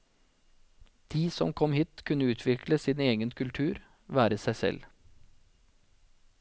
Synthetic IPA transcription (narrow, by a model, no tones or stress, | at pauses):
d̪̥iːsɔ̰mkʰɔmhiːt̪kʰʉnəʉːt̪ʰʋɪkʰləsiːneːɡənkʰʉlt̪ʰʉːɾ | ʋæːɾəsæɪsɛ̰l